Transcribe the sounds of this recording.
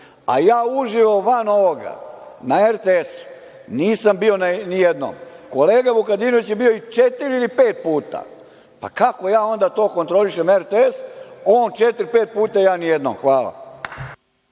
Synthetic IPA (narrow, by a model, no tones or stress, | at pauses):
a̰jaːuʒiʋoʋano̞ʋoɡa̰naeɾt̪eesu̥ | niːsambio̞nanijed̪no̰mko̞le̞ːɡabukad̪iːnoʋit͡ɕjebio̞it͡ʃet̪iɾilipe̞ːt̪̚puːt̪a̰ | pa̰kako̞jaːo̞nd̪at̪o̞ːkont̪ɾo̞liʃe̞meɾt̪eesoːnt͡ʃet̪iɾpe̞ːt̪̚puːt̪ajaːnijed̪no̰mxʋaːla̰